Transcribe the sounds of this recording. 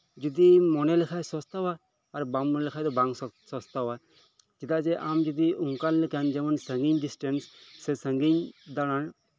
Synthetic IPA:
d͡ʒud̪imɔnɛlɛkʰajsɔst̪awaː | ɾbamːɔnlɛkʰajd̪ɔbaŋsɔst̪awa | d͡ʒɛt̪at͡ʃɛʔamd͡ʒɔd̪iʔuŋkalləkand͡ʒɛmɔnsəŋɡiɲɖisʈɛnsːɛsəŋɡiɲd̪aɽ̃aɳ

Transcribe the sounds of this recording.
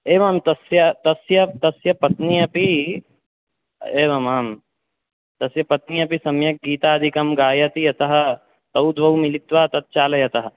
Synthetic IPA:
eːʋɐmt̪ɐsjɐt̪ɐsjɐt̪ɐsjɐpɐt̪nijɐpi | eːʋɐmaːm | t̪ɐsjɐpɐt̪nijɐpisɐmjɐk̚ɡiːt̪aːɐd̪ʱikɐmɡaːjɐt̪iɐt̪ɐɦɐ̆ | t̪ɐwd̪ʋɐwmilit̪ʋɐɐt̪ɐt̪̚t͡ʃaːlɐjɐt̪ɐɦɐ̆

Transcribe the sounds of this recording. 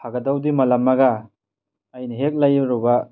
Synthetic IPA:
pʰaɡɐdawdimɐlɐmːaɡaː | jnɐɦek̚lajɾɔba

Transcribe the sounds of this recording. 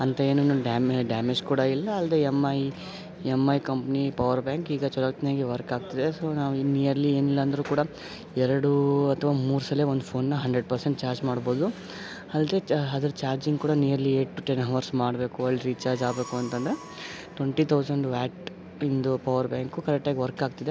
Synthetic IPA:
ɐnt̪ɐe̞ːnuinuɖaːmɖaːmed͡ʒkuːɽɐilːɐɐld̪e̞ːemɐj | emːɐjkɐmpɐnipɐʋɐɾbjaːŋkiːɡɐt͡ʃɔlɐɡɐt̪njaːɡeʋɐɾkaːɡ̚t̪ɐd̪esoːnaːʋunijɐɾlieːnilːɐːnd̪ɐɾuːkuːɽɐ | ɛɾɐɽuɐt̪ʰʋaːmuːɾusɐleːond̪upʰo̞ːnːɐɦɐɳɖɾeɖ̚pɐɾseɳʈ̚t͡ʃaːɾd͡ʒmaːɽbo̞ːd̪u | ɐld̪e̞ːɐd̪ɐɾt͡ʃaːɾd͡ʒiŋɡkuːɽɐnijɐɾlieːʈːuʈenɦɐʋɐɾsmaːɽbe̞ːkuɐlːɾiːt͡ʃaːɾd͡ʒaːbeːkuɐnt̪ɐnd̪ɐɾe̞ | ʈʋeɳʈit̪ʰɐwsɐɳɖʋaːʈ | ind̪upɐʋɐɾbjaːŋkukɐɾɛk̚ʈːaːɡiʋɐɾkaːɡ̚t̪id̪e̞

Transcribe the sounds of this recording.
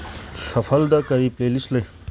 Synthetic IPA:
sɐfʰɐld̪ɐkɐɾipleːlislɐ

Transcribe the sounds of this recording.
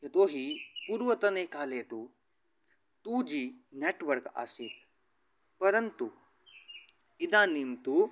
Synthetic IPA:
jɐt̪oːɦipuːɾʋɐt̪ɐneːkaːleːt̪u | t̪ud͡ʒiːneːʈʋɐɾka̰sit̪ | pɐɾɐnt̪u | ɪd̪ãːniːmt̪u

